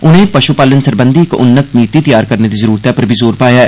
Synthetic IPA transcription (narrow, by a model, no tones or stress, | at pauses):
ʊnɦẽpɐʃupaːlənsəɾbə̃nd̪ʱikʔʊnːək̪̚niːt̪it̪ɐjaːɾkɐɾned̪izɐɾuːɾt̪apɐɾbʱizoːɾpaːjaː